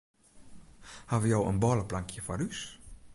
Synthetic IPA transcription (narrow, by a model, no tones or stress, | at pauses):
haʋəjɔwə̰nbɔːləplaŋkʰjəfɔrys